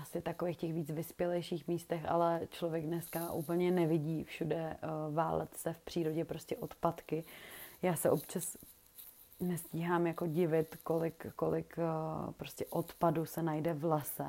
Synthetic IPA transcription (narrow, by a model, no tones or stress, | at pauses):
asɪt̪akoveːxcɛxviːt͡svɪspjɛlɛjʃiːxmiːst̪ɛxʔa̰lɛt͡ʃlovjɛɡ̚dnɛskaʔṵːpl̩ɲɛnɛvɪɟiːfʃudɛva̰ːlʔɛ̰t̪sɛfpr̥iːɾoɟɛpɾo̞scɛʔo̞t̪pat̪kɪjaːsɛʔo̞pt͡ʃas | nɛsciːɦaːmjako̞ɟɪvɪt̪ko̞lɪkːolɪkpɾo̞scɛʔot̪padusɛnajdɛvlɛsɛ